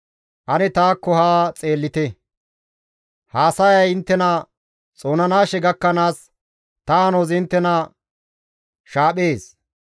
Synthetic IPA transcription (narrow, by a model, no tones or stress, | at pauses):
ʔɐnɛt̪aːkːɔhaːt͡sʼe̞ːlːɪt̪ɛ | haːsɐjɐjɪnt̪ːɛnɐ | t͡sʼo̞ːnɐnaːʃɛɡɐkːɐnaːs | t̪ɐɐnoːzɪnt̪ːɛnɐ | ʃaːɓeːs